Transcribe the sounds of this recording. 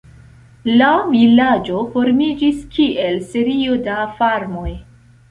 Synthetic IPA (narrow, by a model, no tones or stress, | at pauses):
lavilad͡ʒo̞fo̞ɾmid͡ʒiskʰiʔe̞lse̞ɾio̞dafaɾmo̞j